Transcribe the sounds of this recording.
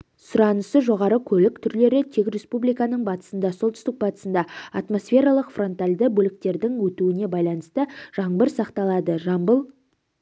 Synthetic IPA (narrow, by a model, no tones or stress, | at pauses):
sʊɾɑnəsəʒo̞ʁɑɾəkʲʰɵlɪk̚t̪ʰʏɾle̞ɾɪt̪ʰekʲɾʲe̞spublijkɑnəɴbɑt̪ə̥sənd̪ɑsolˠt̪ʏ̥st̪ɪk̚bɑt̪ə̥sənd̪ɑɑt̪mo̞sfʲe̞ɾɑlˠəqfro̞nt̪alʲd̪əbɵlɪk̚t̪e̞ɾd̪ɪŋwɵt̪uɪne̞bɑjlˠɑnəst̪əʒ̥ɑɴbəɾsɑqt̪ɑlˠɑd̪əʒɑmbəlˠ